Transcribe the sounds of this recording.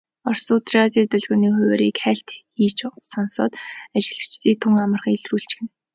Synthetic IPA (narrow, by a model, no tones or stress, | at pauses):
ɔrsʊt̪rʲat̪iːt̪œɮɣɔːniːχʊweːɾiːkχæɬt̪xiːt͡ɕsɔnsɔ̰ːt̪at͡ɕɪ̆ɮɘ̆kt͡ɕt̪iːk̚t̪ʰuŋamə̆rχiŋiɮruːɬt͡ɕxɘ̆n